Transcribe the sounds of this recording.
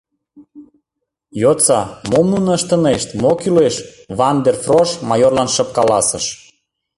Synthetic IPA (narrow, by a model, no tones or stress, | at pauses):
jot͡sɑmomnunə̆əʃt̪ə̆neʃt̪mokyleʃ | βɑnd̪erfroʃmɑjorlɑnʃə̆p̚kɑlɑsəʃ